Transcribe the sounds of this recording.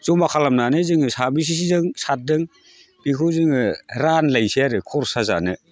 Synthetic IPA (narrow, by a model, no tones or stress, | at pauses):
zɔmakʰalamnanɯzɯŋɯsabis̬is̬izɯŋsat̚dɯŋ | b̥ikʰɯzɯŋɯɾanlajsiaɾɯkʰɔɾsaza̰nɯ